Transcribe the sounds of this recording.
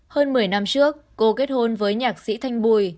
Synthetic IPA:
həː˧nmɨ˨˩əjna˧mt͡ɕɨ˦˥ək̚ːo˨˧˦ke˦˥t̚ho˧nvəː˨˦jɲaː˨˩k̚sḭ˧˥t̪ʰa˧jŋ̟ɓu˧j

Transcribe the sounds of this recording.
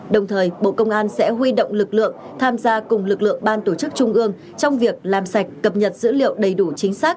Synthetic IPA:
ɗə˨˩wŋ͡mt̪ʰəː˨˩jɓo̰˧˨kə˧wŋ͡mʔaː˧nsɛ̰˧˥ɦwi˧ɗo̰˧˨wŋ͡mlɨ˨˩k̚lɨ̰˧˨əŋ | t̪ʰaː˧mzaː˧kʊ˨˩ŋ͡mlɨ˨˩k̚lɨ̰˧˨əŋɓaː˧nt̪o˧˩t͡ɕɨ˦˥k̚t͡ɕʊ˧ŋ͡mʔɨ˧əŋ | t͡ɕɔ˧wŋ͡mvi˨˩ək̚laː˨˩msa˨˩jk̟̚kə˨˩p̚ɲə˨˩t̚z̥ɨ̰˧˥lḭ˧˨əwɗə˨˩jɗu˧˩t͡ɕï˨˦ŋ̟saː˦˥k̚

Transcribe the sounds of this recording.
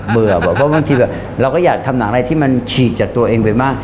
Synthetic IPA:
bɯ˨˩ə˩bɔː˨˩pʰɔ˦˥ba˧ŋt̪ʰiː˧bɛː˨˩p̚ | ɾa˧wkɔː˥˩jaː˨˩k̚t̪ʰa˧mna˩˦ŋɾa˧jt̪ʰiː˥˩ma˧nt͡ɕʰiː˨˩t̪̚t͡ɕaː˨˩k̚t̪u˧ɐʔeː˧ŋpa˧jmaː˥˩k̚

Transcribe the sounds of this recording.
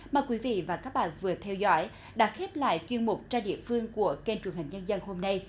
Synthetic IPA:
maː˨˩jkwi˨˦vḭ˧˨vaː˨˩kaː˦˥k̚ɓa̰ː˧˨nvɨ˨˩ət̪ʰɛ˧wzɔ̰˧˦j | ɗa̰ː˧˦˥xe˦˥p̚la̰ː˧˨jt͡ɕwi˧ənmu˨˩k͡p̚t͡ɕaː˧ɗḭ˧˨əfɨ˧əŋku˧˩əke˧nt͡ɕu˨˩əŋha˨˩ŋ̟ɲə˧nzə˧nho˧mna˧j

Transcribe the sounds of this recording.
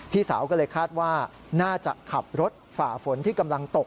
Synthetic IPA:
p̪ʰiː˥˩saː˩˦wkɔː˥˩lɤː˧jkʰaː˥˩t̪̚waː˥˩ | naː˥˩t͡ɕa̰˨˩kʰa˨˩p̚ɾo˦˥t̪̚faː˨˩fo˩˦nt̪ʰiː˥˩ka˧mla˧ŋt̪o˨˩k̚

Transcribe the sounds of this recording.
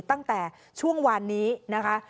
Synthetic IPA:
t̪a˥˩ŋt̪ɛː˨˩ | t͡ɕʰu˥˩əŋwa˧nːiː˦˥na˦˥kʰa˦˥

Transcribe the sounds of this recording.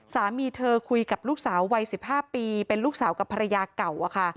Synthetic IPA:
saː˩˦miː˧t̪ʰɤː˧kʰu˧jka˨˩p̚luː˥˩k̚saː˩˦wːa˧jsi˨˩p̚haː˥˩piː˧pe˧nluː˥˩k̚saː˩˦wka˨˩pʰːa˧ɾa˧jaː˧ka˨˩wʔa˨˩kʰa˥˩

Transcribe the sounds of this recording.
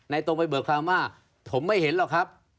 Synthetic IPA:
na˧jt̪o˧ŋpa˧jbɤː˨˩kʰaː˧ŋwaː˥˩ | pʰo˩˦mːa˥˩jhe˩˦nlaː˨˩kʰa˦˥p̚

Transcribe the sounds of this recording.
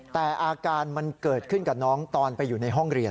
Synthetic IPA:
t̪ɛː˨˩ʔaː˧kaː˧nma˧nkɤː˨˩t̪̚kʰɯ˥˩nka˨˩nɔː˦˥ŋt̪ɔː˧npa˧jːuː˨˩na˧jɦɔ˥˩ŋɾi˧ən

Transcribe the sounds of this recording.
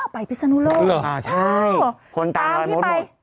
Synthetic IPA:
a˧˩pa˨˩jpʰi˦˥sa˧nuː˧˥loː˥˧ʔaː˧˩t͡ɕʰa˥˩jkʰo˧nt̪aː˨˩ɔː˧jmo˦˥t̚

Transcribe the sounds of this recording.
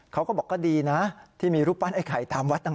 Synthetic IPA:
kʰa˦˥wkɔː˥˩bɔː˨˩kːɔː˥˩diː˧na˦˥t̪ʰiː˥˩miː˧ɾuː˦˥˩pːa˥˨nha˥˩jkʰa̰˨˩jt̪aː˧mwa˦˥t̪̚ːa˥˩

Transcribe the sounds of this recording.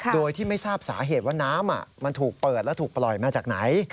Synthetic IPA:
kʰdooː˧jt̪ʰiː˥˩ma˥˩jsaː˥˩p̚saː˩˦ɦeː˨˩t̪̚waː˥˩naː˦˥mʔa̰˨˩ma˧nt̪ʰuː˨˩k̚pɤː˨˩t̪̚lɛ˦˥t̪ʰuː˨˩k̚plɔ˨˩jmaː˧t͡ɕaː˨˩k̚na˩˦j

